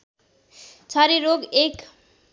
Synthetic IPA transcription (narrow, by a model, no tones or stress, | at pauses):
t͡sʰaɾiɾoɡek